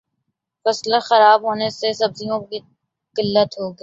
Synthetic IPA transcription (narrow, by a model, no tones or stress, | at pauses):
fɐslaxɐɾaːbɦoːnesesɐbzijõi | kɪlːət̪ɦoːɡː